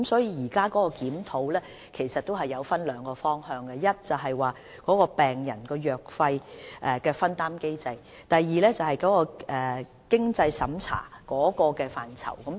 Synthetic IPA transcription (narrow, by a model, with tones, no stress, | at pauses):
msɔː˨˥jiː˧jiː˨˩kaː˥kɔː˨˥kɔː˧kiː˨˥mt̪ʰo˨˥wlɛː˥ | kʰe˨˩jsɐ˨t̚t̪o˥wɦɐ˨jːɐ˨˧wfɐ˥nlœː˨˧ŋkɔː˧fɔː˥ŋhœː˧ŋɡɐ˧jɐ˥t̚t͡sɐ˨wɦɐ˨jwaː˨ | kɔː˨˥kɔː˧pɛː˨˩ŋjɐ̰˨˩nkɔː˧jœː˨k̚fɐ˧jʔɛ˨kɛː˧fɐ˥nt̪aː˥mke˥jt͡sɐ˧j | t̪ɐ˨jːiː˨˧lɛː˥t͡sɐ˨whɐ˨˩jkɔː˨˥kɔː˧ɛː˨ | kɪ˥ŋt͡sɐ˧jsɐ˨˥mt͡sʰa̰ː˨˩kɔː˨˥kɔː˧kɛː˧faː˨nt͡sʰɐ̰˨˩wkɐ˨˥m